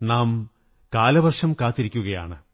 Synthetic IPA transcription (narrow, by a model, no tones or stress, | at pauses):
naːm | kaːlɐʋɐrʂɐmkaːt̪ːiɾikʲːuɣɐja̰ːɳɨ